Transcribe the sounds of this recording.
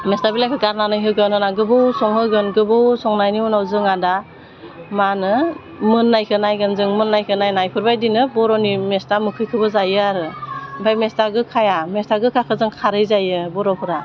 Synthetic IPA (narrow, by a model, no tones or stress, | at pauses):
mestabilajkʰɯɡaɾnanɯjɦɯɡɯnɯnaɡɯbɯwsɔŋhɯɡɯnɡɯbɯwsɔŋnajniunawzɯŋada | manɯ | mɯnːajkʰɯnajɡɯnzɯŋmɯnːajkʰɯnajnajpʰɯɾbajdinɯbɔɾɔnimestamɯkʰɯjkʰɯbɯzajɯaɾɯbajmestaɡɯkʰajamestaɡɯkʰakʰɯzɯŋkʰaɾɯjzajɯbɔɾɔpʰɯɾa